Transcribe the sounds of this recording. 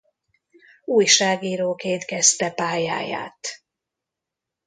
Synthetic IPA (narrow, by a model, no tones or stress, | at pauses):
uːjʃaːɡiːɾoːkeːnt̪kɛst̪ɛpaːja̰ːja̰ːt̪